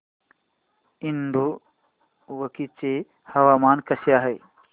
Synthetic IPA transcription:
inɖ̪u | ʋəkit͡ɕe | hɐʋaːmaːnkɐsjaːɦe

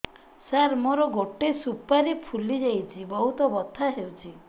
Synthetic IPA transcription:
saɾmoɾɔɡoʈesupaɾipʰulid͡ʒajt͡ʃʰibɔɦut̪ɔbɔt̪ʰaɦewt͡ʃʰi

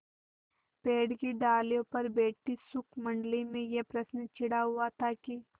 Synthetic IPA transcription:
peːɽkiɖaːljõpɐɾbeːʈisʊkʰmɐ̃ɳɖlimẽjepɾɐsnt͡ʃʰɪɽaɦʊat̪ʰaki

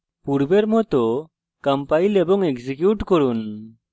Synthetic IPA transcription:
puɾbeɾmɔt̪ɔ | kampailɛbɔŋekd͡ʒikjuʈkɔɾun

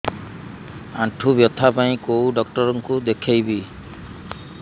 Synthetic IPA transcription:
ãʈʰubjɔt̪ʰapaĩkowɖɔk̚ʈɔɾɔŋkud̪ekʰejbi

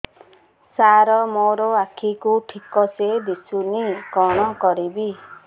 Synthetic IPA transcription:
saɾɔmoɾɔakʰikuʈʰikɔsed̪isunikɔɽ̃ɔkɔɾibi

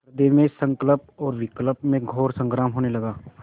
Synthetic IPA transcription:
ɾd̪emẽsə̃ŋkələp̚ɔːɾʋɪkləpmẽɡʱoːɾsə̃ŋɡɾaːmɦoːnelɐɡaː

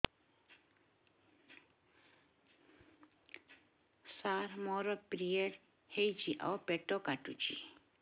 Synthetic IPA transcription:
saɾmɔɾɔpɾijeɽ | hejd͡ʒiʔa̰wpeʈɔkaʈut͡ʃḭ

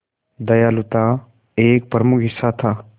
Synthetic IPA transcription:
d̪ɐjaːlʊt̪a | eːk̚pɾəmʊkʰɦɪsːat̪ʰaː

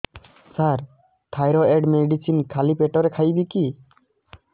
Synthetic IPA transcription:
saɾ | t̪ʰajɾɔeɖmeɖisinkʰalipeʈɔɾɛkʰajbiki

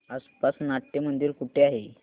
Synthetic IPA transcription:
aspasnaʈːemənd̪iːɾkuʈʰeaɦe

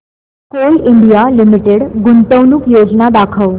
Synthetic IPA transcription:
koliɳɖijalimiʈeɽɡunt̪əwnukjod͡znad̪akʰəʋ

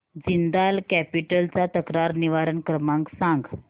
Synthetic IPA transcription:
d͡zind̪alkæpiʈəlt͡sat̪əkɾaɾniʋaɾənkɾəmãŋksãŋɡ

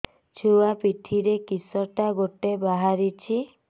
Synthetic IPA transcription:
t͡ʃʰuwapit̪ʰiɾekisɔʈaɡoʈebaɦaɾit͡ʃʰi

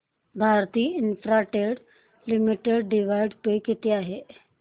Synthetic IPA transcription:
bʱaːɾt̪iːɪnfɾaʈeɽ | limiʈeɖɖiʋaɪɖpekit̪eaːɦe

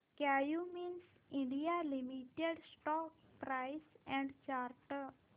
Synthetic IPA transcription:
kajumins | ĩɳɖijalimiʈeɖsʈɔk̚pɾajsɛ̃ɳɖt͡ɕaɾʈəɾ

